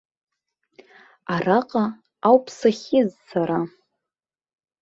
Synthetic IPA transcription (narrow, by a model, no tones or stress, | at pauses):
araqʼa | awpʰsaχʲɪzsaɾa